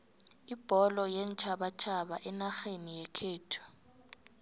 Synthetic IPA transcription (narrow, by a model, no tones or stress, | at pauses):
ib̥ʱɔlɔjɛnt͡ʃʰaɓat͡ʃʰaɓaʔɛnaxenijɛkʰeːtʰu̥